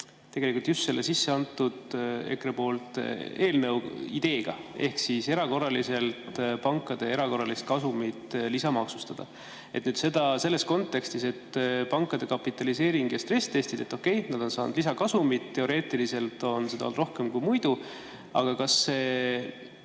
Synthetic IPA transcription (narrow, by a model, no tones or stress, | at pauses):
t̪eɡelikult̪just̪se̞lːesisːe̞ɑnt̪ːˑud̪̥e̞̰kɾepo̞ːlt̪e̞ːlne̞wḭd̪̥e̞ːɡ̥ɑ̰e̞hksise̞ɾɑko̞rːɑlise̞lt̪pɑŋkːˑɑd̪̥e̞e̞ɾɑko̞rːɑlist̪̚kɑsumit̪ːlisɑmɑksu̥st̪ɑd̪̥ɑ̰ | et̪ːnyːd̪se̞d̪ɑse̞lːe̞sko̞nt̪ːˑe̞kst̪ise̞t̪ːpɑŋkːˑɑd̪e̞kɑpːˑit̪ːˑɑlise̞ːɾiŋɡ̥jɑst̪re̞st̪e̞st̪id̪̥e̞t̪ːˑo̞kːe̞jnɑd̪̥o̞nsɑːnud̪̥lisɑkɑsumit̪t̪ːe̞o̞ɾe̞ːt̪ːˑilise̞lt̪o̞nsed̪̥ɑo̰ld̪ro̞hke̞mkujmujd̪̥u | ɑ̰ɡ̥ɑkɑsːe̞ː